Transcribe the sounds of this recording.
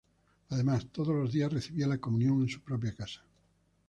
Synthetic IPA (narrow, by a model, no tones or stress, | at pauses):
aðemast̪oð̞ozlozðiasreθiβialakomũnjoŋẽnsupɾop̬jakasḁ